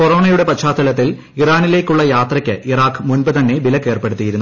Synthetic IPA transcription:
poro̞ːɳɐjuɽe̞pɐɕaːt̪ːɐlɐt̪ːil | iraːnile̞ːkʲːuɭːɐjaːt̪rɐkʲːɨʔiraːkːɨmunbɨt̪ɐnːe̞bilɐkːe̞ːrpe̞ɽut̪ːijiɾunːu

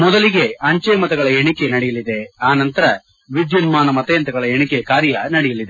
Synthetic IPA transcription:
mɔd̪ɐliɡe̞ɐɲt͡ʃejmɐt̪ɐɡɐɭɐeɳikenɐɽɛjɐlid̪e̞aːnɐnt̪ɐɾɐ | ʋid̪jɐnmaːnɐmɐt̪ɐjɐnt̪ɐɡɐɭɐeɳikekaːɾjɐnɐɽɛjɐlid̪e

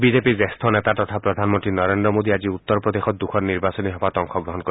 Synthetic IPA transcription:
bid͡ʒepid͡ʒest̪ʰɔnet̪at̪ɔt̪ʰapɾɔd̪ʱanmɔnt̪ɾinɔɾend̪ɾɔmod̪iad͡ʒiut̪ːɔɾpɾɔd̪exɔt̪̚d̪ukʰɔɾniɾbasɔniɦɔbat̪ɔŋkʰɔɡɾɔɦɔnkɔ

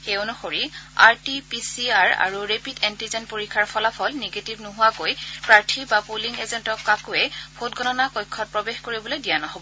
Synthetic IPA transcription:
xeʊnɔxoɹia̰ɹtipisiaɹa̰ɹuɹepitɛntizɛnpoɹikʰːaɹpʰɔlapʰɔlneɡetibnuɦʊwakojpɹaɹtʰibapuliŋezɛntɔkːakuɛbʱot̚ɡɔnɔnakojkʰːɔt̚pɹɔbexkoɹibɔlojdijanɔɦobɔ

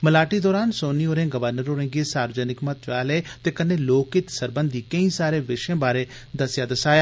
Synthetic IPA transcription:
məlaːʈiːd̪ɔːɾaːnsoːniːoːɾẽːɡəʋəɾnəɾoːɾẽːɡeːsaːɾəd͡ʒənɪkmət̪ʋaːleːt̪eːkəneːloːkɪt̪səɾbənd̪iːkəĩːsaːɾeːʋɪʃẽːbaːɾeː | d̪əsɪjaːd̪əsaːjaː

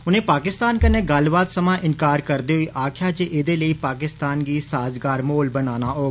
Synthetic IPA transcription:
ʊnẽːpaːkɪst̪aːnkəneːɡəlbaːt̪səmãːʔɪnkaːɾkəɾd̪iːɦʊiːʔaːkʰɪjaːt͡ʃeʔɪd̪eːləiːpaːkɪst̪aːnɡiːsaːzɡaːɾmoːlbənaːnaːɦoː

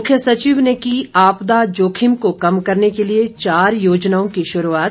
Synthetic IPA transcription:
ʊkʰjəsɐt͡ʃiːʋnekiaːpd̪ad͡ʒoːkʰɪmkokɐmkɐɾnekeliet͡ʃaːɾjoːd͡ʒnaːõkiʃʊɾuaːt̪

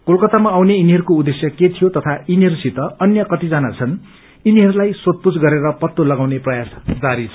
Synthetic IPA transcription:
kolkʌt̪amaːwneiniɦʌɾukoud̪esjʌket̪ʰijot̪ʌt̪ʰainiɦʌɾusit̪ʌʌnjʌkʌt̪id͡zanat͡sʰʌn | iniɦʌɾulajsot̪̚pud͡zɡʌɾeɾʌpʌt̪ːolʌɡawneprʌjasd͡zaɾit͡sʰ

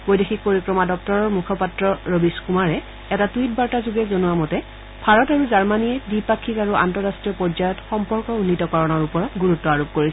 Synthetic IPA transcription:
b̥ojdexʰik̚poɹikɹɔmadɔk̚tɔɹɔɹmukʰɔpatɹɔɹobiskumaɹɛ | ɛtatuit̚baɹtazuɡɛzonuwamɔtɛ | bʱaɹɔtaɹuzaɹmaniɛdipakʰːikaɹuʔa̰ntɔɹastɹijɔpɔɹzajɔtxɔmpɔɹkɔunːitɔkɔɹɔnɔɹupɔɹɔtɡuɹutːɔaɹop̚koɹis

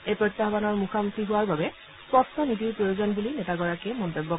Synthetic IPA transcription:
ejpɹɔjt̪ːaɦbanɔɹmuxʰamukʰiɦuwaɹbabɛ | spɔstʰɔnitiɹpɹojuzɔnbulinɛtaɡɔɹakɛmɔnt̪ebːɔ

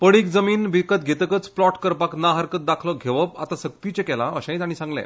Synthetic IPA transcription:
pəɽiːkd͡zəmiːnbikət̪̚ɡʱet̪əkət͡splɔʈkəɾpaknaɦəɾkət̪̚d̪akʰlɔɡʱeʋəp̚a̰t̪asək̚t̪it͡ɕekɛlaʔəɕãj̃t̪añisãŋɡlɛ̰̃

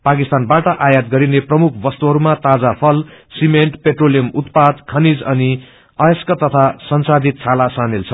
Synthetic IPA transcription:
pakist̪anbaʈʌʔajad̪ɡʌɾineprʌmukʰbʌst̪uɦʌɾumat̪ad͡zapʰʌlsimeɳʈpeʈrolijʌmut̪̚pad̪kʰʌnid͡zʌni | ʌeskʌt̪ʌt̪ʰasʌnsad̪ʱit̪̚t͡sʰalasanelt͡sʰʌ

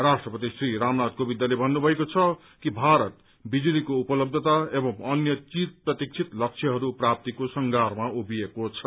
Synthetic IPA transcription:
rasʈrʌpʌt̪isriɾamnad̪̚kobid̪jalebʱʌnːubʱʌekot͡sʰʌ | kibʱaɾʌt̪ | bid͡zulikoupʌlʌb̚d̪ʱʌt̪aebʌmʌnjʌt͡sit̪̚prʌt̪ik̚t͡sʰit̪lʌk̚t͡sʰjʌɦʌɾuprap̚t̪ikosʌŋɡʱarmaubijekot͡sʰʌ

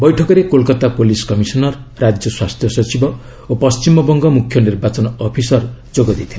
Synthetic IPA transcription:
bɔjʈʰɔkɔɾekolkɔt̪apoliskɔmisɔnɔɾːad͡ʒjɔswast̪ʰjɔsɔt͡ʃibɔ | opɔst͡ʃimɔbɔŋɡɔmukʰjɔniɾbat͡ʃɔnɔpʰisɔɾd͡ʒoɡɔd̪it̪ʰi

